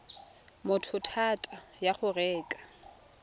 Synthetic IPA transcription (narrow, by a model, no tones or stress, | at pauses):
mʊtʰʊtʰatʼajaχʊrɛːkʼḁ